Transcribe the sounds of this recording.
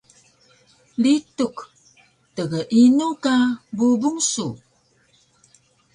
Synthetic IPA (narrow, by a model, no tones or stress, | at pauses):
lituk | təɣəʔinukabubuŋsu